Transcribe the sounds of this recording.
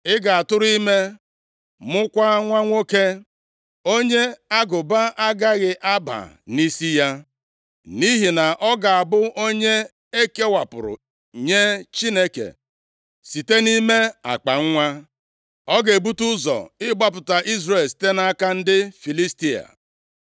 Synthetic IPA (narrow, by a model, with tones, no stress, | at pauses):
ɪ˦ɡa˨a˨tʊ˦ɾi˦me˦ | mʊ˦kʷa˦ŋʷa˦ŋʷo˦ke˦ | o˦ɲe˦a˦ɡʊ˨ba˦ʔa˦ɡa˦ɣɪ˨ʔa˦ba̰˨ | ni˦si˦ja˦ | ni˦ɦi˨na˨ʔɔ˦ɡa˨a˨bʊ˦ʔo˦ɲe˦ | e˦ke˦wa˨pʊ̰˨ɾʊ̰˨ | ɲe˦t͡ʃi˦ne˦kḛ˨ | si˨te˦ni˦me˦a̰˨k͡pa˨ŋ̩˦ŋʷa˦ | ɔ˦ɡe˨bu˦tu˦zɔ̰˨ɪ˦ɡ͡ba˦p̬ʊ˨ta˨ʔi˦zɾe˨si̥˨˦te˦na˦a˦ka˦n̩˦dɪ˦fi˨li˦sti˦a̰˨